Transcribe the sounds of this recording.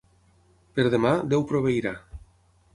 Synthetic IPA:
peɾðemad̪ewpɾoβejɾa

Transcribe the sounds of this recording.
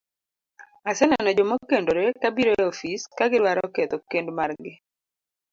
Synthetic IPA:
asɛnɛnɔd͡ʒomokendoɾekabiɾoeofiskaɡɪɾwaɾɔkɛt̪ɔkendmarɡɪ

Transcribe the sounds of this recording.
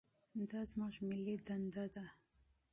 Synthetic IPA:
d̪ɑzmɑʒmɪlid̪and̪ad̪a

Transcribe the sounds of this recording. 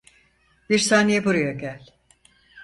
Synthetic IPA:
b̥iɾsaːnejɛbuɾujaɟælʲ

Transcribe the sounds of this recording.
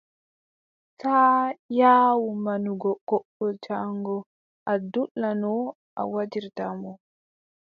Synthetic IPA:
taːjaːwumanuɡɔkɔɓːɔd͡ʒaŋɡɔ | ʔadulːanɔ | ʔa̰wad͡ʒiɾtamɔ

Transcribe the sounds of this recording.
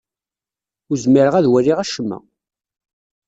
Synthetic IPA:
ʊɾzmiɾəʁæðwæɾːiʁæʃəmːæ̰

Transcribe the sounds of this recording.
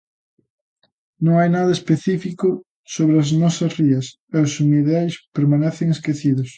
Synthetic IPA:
nõŋajnaðɐespeθifiko | soβɾeɐznɔsɐsriɐs | eosuniðajspeɾmanɛθeŋeskeθiðʊs

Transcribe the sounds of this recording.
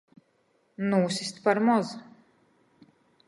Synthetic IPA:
nuːsʲist̪paɾmɔz

